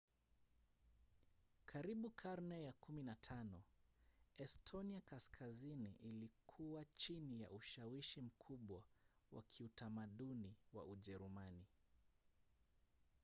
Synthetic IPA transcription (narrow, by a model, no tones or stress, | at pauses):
kʰaɾiɓukʰaɾnɛjakuminatʰanɔ | ɛstʰɔniakaskʰazinḭʔilikʰuwat͡ʃinija̰ʔuʃawiʃim̩kʰuɓwawa̰kʰiutamaɗuniwa̰ʔuʄɛɾumani